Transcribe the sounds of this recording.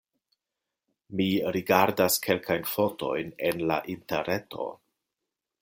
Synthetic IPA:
miɾiɡaɾdaskʰe̞lkajnfo̞to̞̰jne̞nla̰ʔintḛɾetʰo̞̰

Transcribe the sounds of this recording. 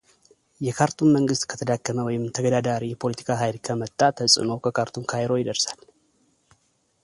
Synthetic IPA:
jɛkʰaɾt̪ʰunməŋɡɨst̪kʰə̥t̪ʰəd̪akʰːəməwɔjɪmt̪ʰəɡəd̪ad̪aɾijɛpʰo̞lət̪ʰi̥kʰaɦajlkʰəmət̪ʼːat̪ʰəsʼɨ̰no̞kʰəkʰaɾt̪ʰunkʰajɾo̞jɪd̪əɾsal

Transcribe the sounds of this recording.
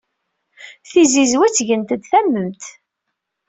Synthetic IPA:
θizizwæt͡sːʝənt̪əd̪θæmːəmt̪

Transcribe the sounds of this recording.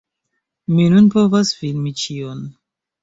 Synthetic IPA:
minunpo̞vasfilmit͡ʃion

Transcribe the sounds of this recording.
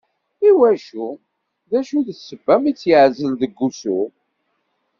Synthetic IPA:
iwæʃu | ðæʃuðəθsːəbːæmit͡sːjəʕzəlðəɡːusu

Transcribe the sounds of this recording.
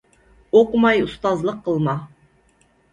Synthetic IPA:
oqmɑjust̪ɑzlˠəqʰːəlˠmɑ

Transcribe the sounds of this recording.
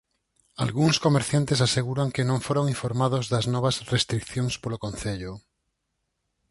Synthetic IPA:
a̰lɣuŋskomeɾθjant̪esaseɣuɾaŋkenõɱfoɾoŋiɱfoɾmað̞ozðɐznɔβ̞asrest̪ɾikθjoŋspolokõnθeʎʊ

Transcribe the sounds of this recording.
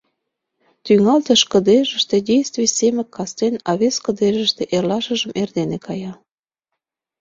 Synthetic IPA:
t̪yŋɑlt̪ə̆ʃkə̆d̪eʒə̆ʃt̪ĕdʲejst̪vujsemə̆kːɑst̪enɑβeskə̆d̪eʒə̆ʃt̪eʔerlɑʃə̆ʒə̆mʔerd̪enekɑjɑ

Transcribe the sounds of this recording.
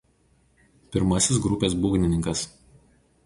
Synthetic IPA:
pʲɪɾmɐsʲɪs̬ɡɾʊpʲeːs̬buːɡʲnʲɪnʲɪŋkɐs

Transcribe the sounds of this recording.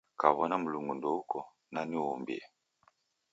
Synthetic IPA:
kaβɔnam̩luŋɡundɔukɔ | naniɔmbḭa

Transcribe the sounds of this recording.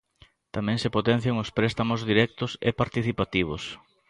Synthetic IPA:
t̪amɛ̃ŋsepot̪ɛ̃n̟θjoŋʊspɾɛst̪amʊzðiɾɛk̚t̪ʊsepaɾt̪iθipat̪iβ̞ʊs

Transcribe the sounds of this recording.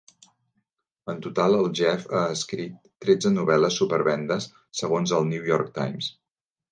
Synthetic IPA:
ənt̪ut̪alˠəlˠʒɛfaəskɾit̪ːɾed͡zənuβɛləsːupəɾβɛnd̪əsː | əɣonzəlˠniwjɔɾk̚t̪a̰jms

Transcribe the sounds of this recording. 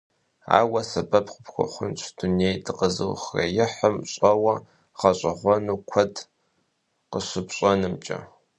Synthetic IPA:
a̰ːwɐsɐbɐpqəpxʷʊ̰χʷʊnt͡ʃʷʰd̥unejdʰɨqəzɨwχrɐ̰jɪħəmɕʼɐwɐ | ʁɐɕʷʼɪʁʷɔnuːkʷʰɐd | qəɕɨpɕʼɔnɨmt͡ʃʼɐ̰

